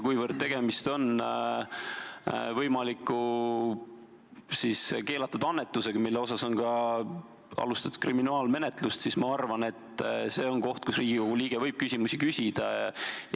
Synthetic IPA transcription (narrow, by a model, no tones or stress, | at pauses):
kujvərd̪̥̚t̪e̞ɡ̥e̞mist̪o̞n | vɤjmɑlikːˑu | siske̞ːlɑt̪ːˑud̪̥ɑnːe̞t̪ːˑuse̞ɡ̥ɑmilːeo̞sɑso̞nkɑ | ɑ̰lust̪ɑt̪ːu̥kriminɑːlme̞net̪lust̪sismɑɑrvɑne̞t̪ːˑse̞ːo̞nko̞ht̪̚kusriːɡ̥ikoɡ̥uliːɡ̥evɤjb̥̚kysʲimusikysʲid̪̥ɑj